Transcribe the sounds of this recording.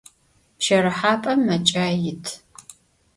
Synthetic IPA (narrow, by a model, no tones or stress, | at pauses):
pʃɐɾɨħaːpʼɐmmːɐt͡ʃʼaːjɪtʰ